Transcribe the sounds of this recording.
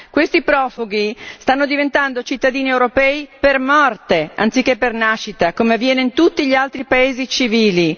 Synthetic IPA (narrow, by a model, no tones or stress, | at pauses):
kwest̪ipɾɔːfuɡist̪anːod̪ivent̪and̪ot͡ʃit̪ːad̪iːniewɾopɛːipermɔrt̪eant̪sikːepːernaʃːit̪akomeavːjɛːneint̪ut̪ːiʎialt̪ɾipaeːzit͡ʃiviːli